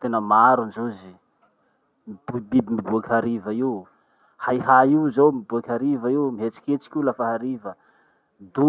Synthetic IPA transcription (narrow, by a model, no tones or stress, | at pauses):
t̪enəmaɾunzuzi | mibud̪ibimibuakaɾivaiw | hajɦaiwzowmibuakaɾivaiwmiɦet͡si̥kʲet͡si̥kʲiulafaɦaɾivə | d̪u